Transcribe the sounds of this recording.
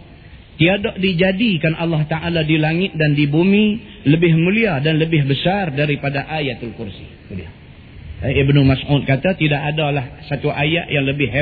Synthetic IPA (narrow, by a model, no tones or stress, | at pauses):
t̪iadoʔdid͡ʒadikanʔalːaht̪aʔaladilaŋɪt̪̚dandibumi | ləbɪhmuliadanləbɪɦbəsardaɾipadaʔajat̪alkursḭ | ulia | ɪbnumasʔut̪̚kat̪at̪idaʔadalahsat̪uʔajaʔjaŋləbɪɦe